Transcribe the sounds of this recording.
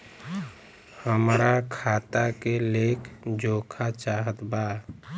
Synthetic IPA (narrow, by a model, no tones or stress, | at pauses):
həmɾakʰaːt̪akeleːkʰd͡ʒoːkʰat͡ʃaːɦət̪baː